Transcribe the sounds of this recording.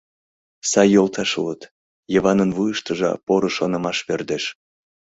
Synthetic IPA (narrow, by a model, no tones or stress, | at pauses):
sɑjːolt̪ʰɑʃulət̪ | jəβɑnənvujəʃt̪əʒɑ̰poɾoʃonə̆mɑʃβørd̪eʃ